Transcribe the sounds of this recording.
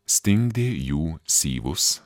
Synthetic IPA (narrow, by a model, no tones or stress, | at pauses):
st̪ɪŋd̪ejuːsḭːʋʊs